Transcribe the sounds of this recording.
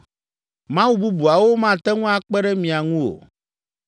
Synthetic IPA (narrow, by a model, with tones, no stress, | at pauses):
mã˦wu˦bu˦bu˨a˨wo˦mã˦˨t̪ɛ˦ŋũ˦a˨k͡pɛ˦ɖɛ˦mĩ˨a˨ŋũ˦o̰˨